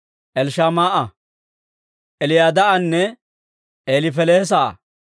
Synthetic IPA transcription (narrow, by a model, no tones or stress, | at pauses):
ʔɛlʃaːmaːʔɐ | ʔɛlɪjaːd̪ɐʔɐnːɛ | ʔeːlɪfɛleːs̬a̰ː